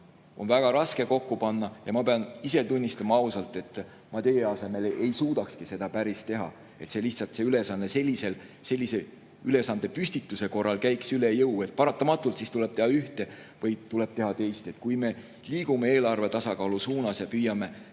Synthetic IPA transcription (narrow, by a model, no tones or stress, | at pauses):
o̞̰nvæɡ̥ɑɾɑske̞ko̞kːupɑnːɑjɑmɑpeɑnise̞t̪unʲːist̪ɑmɑɑusɑlt̪ˑe̞t̪ː | mɑt̪e̞jeɑse̞me̞lʔejsuːd̪ɑkskise̞d̪̥ɑpæɾist̪e̞ɦɑ̰ | e̞t̪se̞liçt̪sɑlt̪seyle̞sɑnːese̞lʲːise̞lse̞lːise̞ | yle̞sɑnd̪̥epysʲt̪it̪ːˑuse̞ko̞rːɑlkæjksyle̞jɤwe̞t̪̚pɑɾɑt̪ːˑɑmɑt̪ːˑult̪sist̪ule̞b̥̪̚e̞hɑyht̪e̞ | vɤjt̪ule̞b̥t̪e̞ɦɑt̪e̞jst̪e̞t̪kujme̞ | liːɡ̥umeeːlɑrve̞t̪ɑsɑkɑːlusuːnɑsjɑpyːjɑme̞